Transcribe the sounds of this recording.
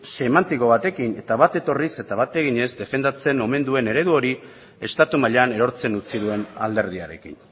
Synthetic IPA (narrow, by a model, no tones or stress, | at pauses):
se̞mant̪iko̞β̞at̪e̞kine̞t̪aβat̪e̞t̪o̞rise̞t̪aβat̪e̞ɣ̞iɲe̞zd̪e̞fe̞nd̪at͡se̞no̞me̞nd̪ue̞ne̞ɾe̞ðuo̞ɾi | e̞st̪at̪umaʎane̞ɾo̞ɾt͡se̞nut͡siðue̞na̰ld̪e̞ɾð̞ia̰ɾe̞̰kḭn